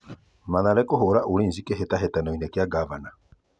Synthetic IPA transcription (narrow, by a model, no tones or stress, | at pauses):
maðaɾɛkoɦoɾaʔuɾeːnzikeɦetaɦɛtanɔinɛkjaɡavana